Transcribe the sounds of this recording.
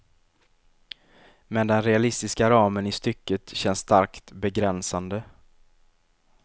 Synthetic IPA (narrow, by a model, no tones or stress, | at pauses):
mɛnd̪ɛnɾɛalɪst̪ɪskaɾɑːmənɪst̪ʏkːət̪ɕɛnst̪ʰaɾkt̪bɛɡɾɛnsand̪ə